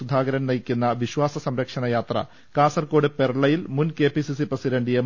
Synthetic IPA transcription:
ud̪ʱaːɡɐɾɐnnɐjikʲːunːɐʋiɕʋaːsɐsɐmɾɐkʂɐnɐjaːt̪rɐ̰ | kaːsɐrko̞ːɽɨpe̞rɐɭɐjilmunke̞ːpisisiprɐsiɾeɳɖijem

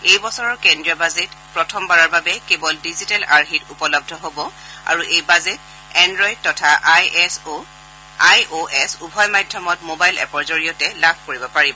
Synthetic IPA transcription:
ejbɔsɔɹɔɹkɛndɹiɔbazɛtpɹɔtʰɔmbaɹɔɹbabɛkebɔldizitalaɹɦitupɔlɔb̚dʱɔɦobɔ | a̰ɹuʔejbazɛt | ɛndɹɔjd̚tɔtʰaʔajso | ajoʔɛsubʱɔjmajdʱjɔmɔtmobajlɛ̰pɔɹzoɹijɔtɛlabʰʱkoɹibɔpaɹibɔ

